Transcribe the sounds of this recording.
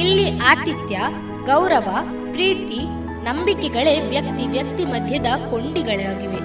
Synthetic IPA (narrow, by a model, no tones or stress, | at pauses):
ilːiʔaːt̪it̪jɐ | ɡɐwɾɐʋɐ | pɾiːt̪i | nɐmbikɛɡɐɭe̞ʋjɐk̚t̪iʋjɐkt̪imɐd̪ʱjɐd̪ɐko̞ɳɖiɡɐɭɛjaːɡiʋe̞